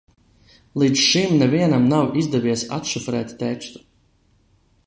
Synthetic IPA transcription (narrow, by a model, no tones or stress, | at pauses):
lˠiːd̪zʃimnɛviɛnamnawizd̪ɛviɛsa̰t̪ʃufɾɛːt̪t̪ɛt͡ʃt̪u̥